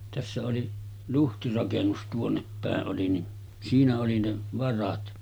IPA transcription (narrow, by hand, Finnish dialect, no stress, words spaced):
tæsːæ oli luhtirɑkenːus tuonːep pæˑeʔ ʔoli ni siːnæ oli ne ʋɑrɑt